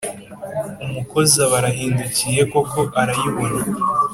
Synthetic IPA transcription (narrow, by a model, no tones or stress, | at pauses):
umuko̞zaβaɾaɦiːnducije̞ko̞ko̞ʔaɾajiβona